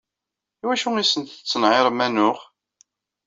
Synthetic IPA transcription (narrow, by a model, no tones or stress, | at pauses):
iwæʃuisənt̪ə̥t͡sːənʕeɾˤmːænʊχ